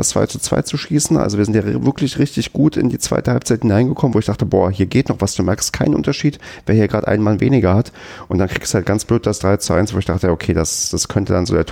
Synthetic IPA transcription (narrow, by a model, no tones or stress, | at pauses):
ast͡sv̥a̰ɪt͡su̥t͡sv̥a̰ɪt͡suʃiːsn̩ʔa̰lzoviːɐzɪntjavɪɐklɪçʁɪçtɪçɡ̥uːtʰɪ̰ndiːt͡sv̥a̰ɪtəhalpt͡saɪthɪnaɪnɡəkʰɔmənvoːɪçd̥aχtəbo̰ːɐhiːɐɡeːtnɔχv̥asd̥uːmɛɐkstkʰaɪnənʔʊ̰ntɐʃiːtvveːɐhiːɐɡʁaːtʔa̰ɪnmanvḛːnɪɡɐhat | ʔʊntd̥ankʁ̥iːɡsd̥halt̚ɡ̥ant͡sb̥løːt̚d̥asd̥ʁaɪt͡suʔa̰ɪnsv̥oːɪçd̥aχtəjaːʔokʰeːdasd̥askʰœntədanzo̰ːdeːɐtʰ